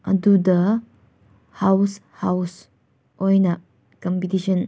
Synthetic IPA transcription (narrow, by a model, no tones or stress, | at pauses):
ʔa̰dud̪ə | haws | haws | ʔojna | kɔmpit̪iʃɔn